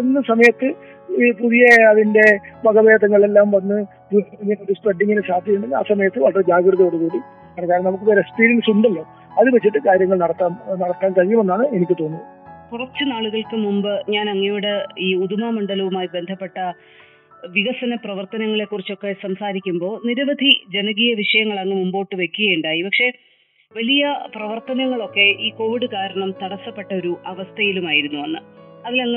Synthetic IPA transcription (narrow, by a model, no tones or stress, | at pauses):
enːɨsɐmɐjɐt̪ːɨ | ipuðijɐɐðinde̞bʱɐɡɐʋeːd̪ɐŋːɐɭe̞lːaːmʋɐnːɨ | d̪uːɐɐiŋːɐnɐd̪ispreɖːiŋːinɨɕaːd̪ʱjɐjuɳɖena̰ːsɐmɐjɐt̪ːɨʋɐɭɐred͡ʑaːɡɾɨðɐoɽukuːɽi | pɐɳɐkːaːɾɐmnɐmukːɨʋeɾespiːɾɐnsuɳɖɐlːo̞ː | ɐðɨʋet͡ɕːiʈːɨkaːɾjɐŋːɐɭnɐɽɐt̪ːaːmnɐɽɐk̪ːaːnkɐɻijume̞nːaːɳɨe̞nikʲːɨt̪o̞ːnːuðɐkurɐt͡ɕːɨnaːɭuɣɐɭkɨmumbɨɲaːnɐŋːɐjuːɽeiːuðumaːmɐɳɖɐlɐʋumaːjibe̞nd̪ʱɐpːe̞ʈːɐ | ʋiɣɐsɐnɐprɐʋɐrt̪ɐnɐŋːɐɭe̞kːurit͡ɕːo̞kːe̞sɐmsaːɾikʲːumbo̞ːniɾɐʋɐd̪ʱid͡ʑe̞nɐɣijɐʋiʂɐjɐŋːɐɭɐŋːemumboːʈːɨʋe̞kʲːuɣɐjuɳɖaːjipɐkʂe̞ | ʋɐlijɐprɐʋɐrt̪ɐnɐŋːɐɭo̞kːe̞ʔiːko̞ːʋiɽɨkaːɾɐɳɐmt̪ɐɽɐsːɐpːe̞ʈːɐo̞ɾuʔɐʋɐst̪ʰɐjilumaːjiɾunːuʋɐnːɨɐʋilɐŋː